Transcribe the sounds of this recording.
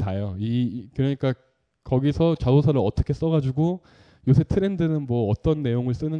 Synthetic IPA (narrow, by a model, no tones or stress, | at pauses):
ajoikɯɾʌɲik͈a | kʌɡisʰʌt͡ɕasosʰaɾɯɾʌt͈ʌkʰe̞s͈ʌɡad͡ʑuɡo | josʰe̞tʰɯɾe̞ndɯnɯnmwʌːt͈ʌnːe̞joŋɯɭs͈ɯnɯ